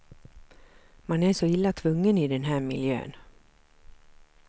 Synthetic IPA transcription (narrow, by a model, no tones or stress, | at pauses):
manæʂɔɪlːat̪ʰvɵŋːənɪd̪ɛnɦæːɾmɪljø̰ːn